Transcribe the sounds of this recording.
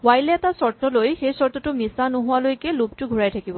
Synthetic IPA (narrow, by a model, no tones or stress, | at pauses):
wajlɛɛtasɔɹt̪ɔlojxejsɔɹt̪ɔtʊmisanʊɦʊwalojkɛlup̚tʊɡʱuɹajtʰakibɔ